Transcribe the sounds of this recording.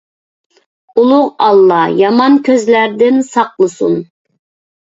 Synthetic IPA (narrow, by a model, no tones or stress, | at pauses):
ulˠʊʁɑlˠːɑjɑmɑnkʲʰøzlæɾd̪ɪnsɑqlˠəsṵn